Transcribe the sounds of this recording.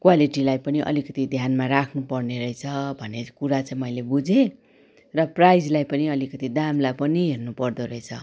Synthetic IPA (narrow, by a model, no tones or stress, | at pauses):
kwaliʈilajpʌniʔʌ̰likʌt̪id̪ʱjanmaɾakʰnupʌrneɾʌjt͡sʰʌbʱʌnekuɾat͡saĩmʌjlebud͡zẽ | rʌprajd͡zlajpʌniʌlikʌt̪id̪amlapʌniɦernupʌrd̪oɾʌet͡sʰʌ̰